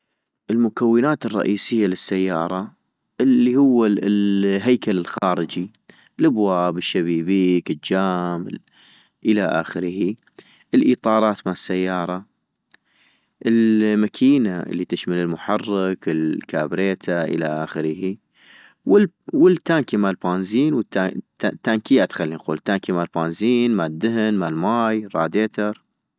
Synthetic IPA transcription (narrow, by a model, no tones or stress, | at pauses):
ʔɪlmʊkawːɪnaːt̪ɨrˤːɑ̰ʔiːsɪjːalɪsːajːɑːɾˤɑ | ʔɪlːihʊwːa | ɦajkalɪlxɑːɾɪd͡ʒi | labwaːbɪʃːaβiːbiːkɪd͡ʒaːm | ʔɪlaʔa̰ːxɪɾhi | ʔɪlʔiːt̪ˤɑːɾˤɑːt̪maʕɪsːajːɑːɾˤɑ | ʔɪlmakʰiːnaɪ̰lːit̪ɪʃmalɪlmʊħɑrˤːɪkɪlkaːbɾeːt̪ʰaʔɪ̰laʔaːxɪɾhi | wɪ | wɪlt̪ːaːŋkimalbaːnziːnwət̪ːaat̪ːaŋkijat̪xalːinquːlt̪ːaːŋkimalbaːnziːnmad̪ːɪɦɪnmalmaːjrˤːɑːd̪eːt̪ɑɾˤ